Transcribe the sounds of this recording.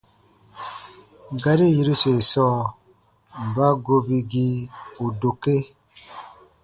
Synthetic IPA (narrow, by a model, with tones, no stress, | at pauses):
ɡa˨ɾi˦ji˨ɾu˦se˨sɔ˦˨ | ba˦ɡo˦bi˨ɡi˦o˨do˨ke˦